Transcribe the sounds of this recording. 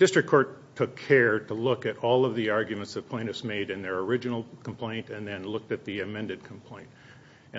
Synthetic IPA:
d̥ɪstɹ̥ɨkʰːɔɹtʰʊkʰɛɹɾəlʊkɨɾɔlˠʌvðiɑɹɡjʉmɨ̃ntsðɨt̚pʰẽɪ̃nɨsmeɪɾɨ̃nðə˞ə˞ɪd͡ʒɨnl̩ˠkʰm̩pʰl̥ẽɪ̃ntɨ̃nðɨ̃nlʊk̚tɨt̪̚ðiɨmɛ̃ndɨd̚kʰm̩pʰl̥ẽɪ̃nt

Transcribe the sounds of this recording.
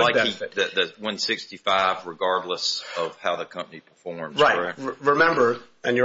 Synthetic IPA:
aɪkiðɨðɨwʌ̃nsɪkstifaɪvɹɨɡɑɹdˡləsʌv̥haʊðɨkʰʌ̃mpənipʰə̥˞fɔɹmɹaɪɹɪmɛ̃mbə˞ | ɨ̃njə

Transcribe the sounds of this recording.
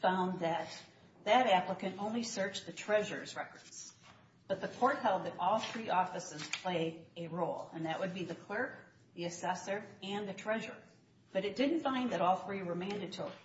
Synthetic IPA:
fãʊ̃nðɨt̪̚ | ðɨɾæpləkɨ̃ñõʊ̃nlisɜ˞t͡ʃðɨtʰɹ̥ɛʒə̰˞zɹɛkə˞ds | b̥ʌt̪̚ðɨkʰɔɹt̚hɛlˠd̪̚ðɨɾɔlˠθɹiʔɔfɨsɨz̥pʰl̥eɪɨɹoʊlˠɨ̰̃nðɨʔ̚wɨd̚biðɨkʰl̥ɜ˞k | ðiɨsɛsə˞ɨ̃nðɨtʰɹ̥ɛʒə̰˞ | b̥ʌɾɨt̚d̥ɪdⁿn̩tfãɪ̃nðɨɾɔlˠθɹiwə˞mæ̃ndɨd̚tʰɨ

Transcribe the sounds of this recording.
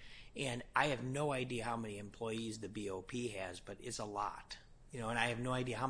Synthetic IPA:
ɨ̃nʔaɪɨvnoʊaɪdiɨhaʊmɛniɨ̃mpʰl̥ɔɪizðɨbioʊpʰiɨzbʌɾɪ̰tsəlɔ̰t | jɨnoʊəɨ̃naɪɨvnoʊaɪdiɨɦaʊ

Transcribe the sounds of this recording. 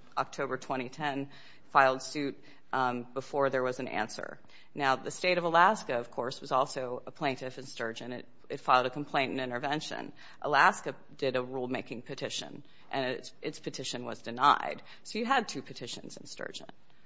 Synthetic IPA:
ʔɑk̚tʰoʊbə˞tʰw̥ɛ̃ɾ̃itʰɛ̃n | faɪlˠd̥sʉt̚ | b̥əfɔɹðə˞wʌzɨ̃n̩æ̰̃nsə̰˞ | naʊðɨsteɪɾʌvəlæskɨʌv̥kʰɔɹswʌzɔlˠsoʊəpʰl̥ẽɪ̃ntɨfɨ̃nstɜ˞d͡ʒɨ̃nɨ̰ɾ | ɨtfaɪlˠɾɨkʰm̩pʰl̥ẽɪ̃ñtnɪ̃ɾ̃ə˞vɛ̃nʃɨ̰̃n | ʔəlæskɨ | dɪɾəɹulˠmeɪkɪ̃ŋpʰɨtʰɪʃɨ̰̃n | ʔɨ̃n | ʔɨtspʰɨtʰɪʃɨ̃nwʌ̰zdɨnaɪd̥ | soʊjɨəd̚tʰʉpʰɨtʰɪʃɨ̰̃nzɨ̃nstɜ̰˞d͡ʒə̰̃n

